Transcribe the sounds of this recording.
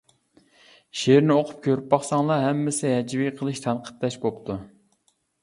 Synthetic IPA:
ʃeɾnɪoqʰʊp̚kʲʰøɾyp̚bɑχsɑŋlˠɑɦɛmːɪsɪɦɛd͡ʒviqʰəlˠɨʃt̪ʰɑnqʰə̥t̪ːɛʃbop̚t̪ʰu

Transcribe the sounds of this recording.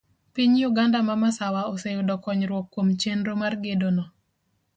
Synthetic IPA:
piɲjuɡandamamasawaɔsejʊdɔkɔɲɾwɔkːwomt͡ʃenɾomarɡedonɔ

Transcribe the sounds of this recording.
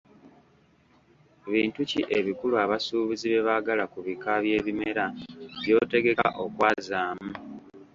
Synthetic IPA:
βiːntuciʔe̞βikuluaβasuːβiziβe̞βaɡalakuβikaβje̞ːβime̞ɾaβjo̞ːte̞ɡe̞ka̰ʔo̞kwaːzaːmu

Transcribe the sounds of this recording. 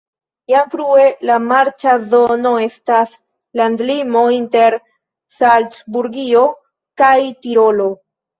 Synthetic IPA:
jamfɾue̞lamaɾt͡ʃaðo̞no̞e̞stas | landlimo̞inte̞ɾ | salt͡sbuɾɡio̞ | kajtiɾo̞lo̞

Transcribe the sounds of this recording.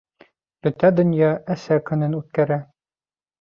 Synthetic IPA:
bɵ̆t̪æd̪ɵ̆njɑʔæsækɵ̆nɘnʉt̪̚kæɾæ

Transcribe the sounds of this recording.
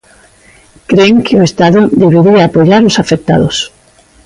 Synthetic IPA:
kɾeŋkɪoest̪aðʊd̪eβ̞eɾiaːpoʎaɾʊsafek̚t̪a̰ðʊs

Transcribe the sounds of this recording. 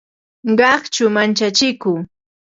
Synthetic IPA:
ɢɑχt͡ʃʊmant͡ʃat͡ʃɪkʊː

